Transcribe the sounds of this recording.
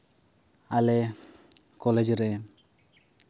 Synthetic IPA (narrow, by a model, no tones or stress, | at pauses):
alɛ | kɔled͡ʒɾɛ